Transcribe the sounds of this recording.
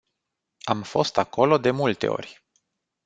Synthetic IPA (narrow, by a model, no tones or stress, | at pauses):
amfo̞st̪ako̞lo̞d̪e̞mult̪e̞̰o̞̰rʲ